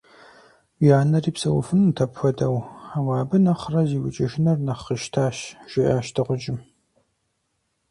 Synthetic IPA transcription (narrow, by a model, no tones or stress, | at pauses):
jaːnɐriːpsɐwʊ̰fɨnmtʰɐpxʷɔdɐwawɑːbɨnɐχrɐziːwʷʊt͡ʃʼɐʃɪnɐrnɐχəʃtʰaːɕʒ̥ɪʔaːʃtʰɨʁʷʊd͡ʒʼɪm